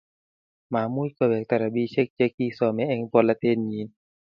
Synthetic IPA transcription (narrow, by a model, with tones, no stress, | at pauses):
maː˨˦mu˧˥˨jka˧˩˨wɛː˨˩k̚t̪a˧˨ɾa˨˧˦biː˧˨se˦˧k̚t͡ɕe˧˦k̚ːiː˧˨sɔː˨˧˦mɛ˧˦ʔɛ˧˨ŋpɔ˧˨la˧t̪ʰe˧˨nɲiː˨˦n